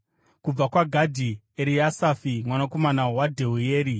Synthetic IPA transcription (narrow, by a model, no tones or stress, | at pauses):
kub͡vakwaɡʱadʱi | eɾiasafimwanako̞manawadʱe̞ujeːɾi